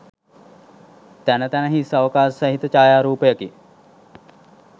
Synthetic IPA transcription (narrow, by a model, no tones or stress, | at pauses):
t̪ænət̪ænəɦisɐʋkaːssɐɦit̪ət͡ʃaːjaːɾuːpəjəki